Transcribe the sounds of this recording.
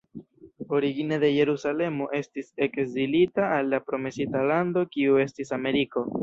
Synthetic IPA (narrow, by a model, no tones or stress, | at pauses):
o̞ɾiɡinede̞je̞ɾusale̞mo̞ʔe̞stise̞kzilitaːlːapɾo̞me̞sitalando̞kiue̞stisame̞ɾiko̞